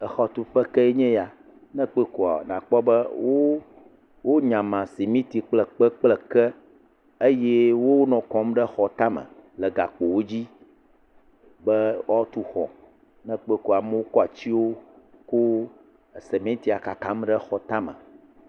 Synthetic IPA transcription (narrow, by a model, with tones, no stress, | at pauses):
ə˨xɔ˨t̪u˨ɸə˦kɛ˦e˦ɲɛ̃˦ja˨ | nɛ̃˦k͡pe˦ko˨a̰˨ɖã˨k͡pɔ˦bə˦wo˦ | wo˦ɲã˨mã˨si˨mĩ˦t̪i˨k͡plɛ˨k͡pə˦k͡plɛ˨kɛ˦ | e˦jɛ˦wo˦nɔ̃˨kɔ̃˨˦mɖə˦xɔ˨t̪a˦mə̰̃˨lɛ˨ɡa˨k͡po˨wo˦d͡ʑi˦ | bə˦ɔ˦t̪u˦xɔ̰˨ | nɛ̃˦k͡pe˦ko˦˨a˨mɛ̃˦wo˦kɔ˦a˨t͡ɕi˦wo˦ | ko˦˨ | se˨mẽ˦t̪i˦a˨ka˨kã˨˦m˦ɖə˦xɔ˨t̪ã˦mə̰̃˨